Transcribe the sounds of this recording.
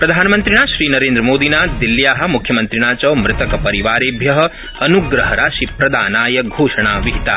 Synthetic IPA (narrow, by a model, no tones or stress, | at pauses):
pɾɐd̪ʱaːnɐmɐnt̪ɾiɳaːʃɾiːnɐɾeːnd̪ɾɐmoːd̪inaːd̪ilːjaːɦɐ̆mukʰjɐmɐnt̪ɾiɳaːt͡ʃɐʋmɾɪt̪ɐkɐpɐɾiʋaːɾeːbʱjɐɦɐ̆ | ɐnuɡɾɐɦɐɾaːʃipɾɐd̪aːnaːjɐɡʱoːʂɐɳaːʋiɦit̪a̰ː